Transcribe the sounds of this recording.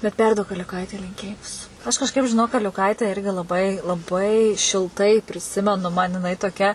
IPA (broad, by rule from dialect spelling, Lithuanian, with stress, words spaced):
bʲɛt ˈpʲɛrduɔk ɐlʲʊˈkɐɪtʲɛɪ lʲɪŋʲˈkʲeːjɪmʊs ˈɐʃ kɐʃˈkɐɪp ʒʲɪˈnoːk ɐlʲʊˈkɐɪtʲɛ ˈɪrʲɡʲɪ lˠɐˈbɐɪ lˠɐˈbɐɪ ʃʲɪlˠˈtɐɪ pʲrʲɪˈsʲɪmʲɛnʊ mɐn jɪˈnɐɪ toːˈkʲɛ